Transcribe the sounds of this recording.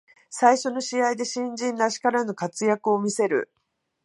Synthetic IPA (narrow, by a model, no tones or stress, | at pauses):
saiɕo̞no̞ɕiaid̪e̞ɕĩɲd͡ʑĩnːaɕi̥kaɾano̞kat͡sɨjakɯ̟o̞mʲise̞ɾɯ̟̰